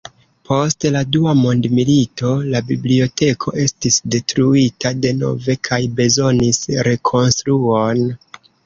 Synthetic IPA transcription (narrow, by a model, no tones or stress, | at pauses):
pʰo̞stladuamo̞ndmilito̞labiblio̞te̞kʰo̞ʔe̞stisde̞tɾuitade̞no̞̰ve̞kʰajbe̞zo̞nisɾe̞kʰo̞nstɾuon